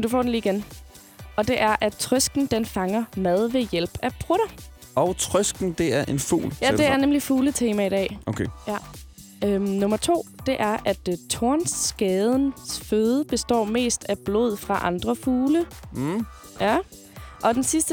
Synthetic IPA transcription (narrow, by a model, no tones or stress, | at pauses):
nd̥ufɒ̰ːd̥n̩liːiɡ̥en | ʔɒ̽d̥e̝ʔæɐʔæt͡sʰʁœsɡ̥n̩d̥enfɑ̈ŋɐmæð̞ˠʋe̝jel̰b̥æb̥ʰʁuɾɐ | ɒʊt͡sʰʁœsɡ̥n̩d̥e̝æɐʔe̝nfṵːljæd̥e̝æɐnemlifuːlət͡sʰe̝ːmæid̥ɛ̰ːʔokʰejæ | ønɔ̽mɐt͡sʰo̝̰ːd̥e̝ʔæɐʔæd̥t͡sʰo̝ɐ̰nsɡ̥ɛːð̞ˠnsføðˠəb̥e̝sd̥ɒ̰ːme̝̰ːsd̥æb̥lo̝̰ð̞̰ˠfʁɑ̈ʔɑ̈nd̥ʁɐfuːlə | jæ | ʔɒ̽d̥ensisd̥ə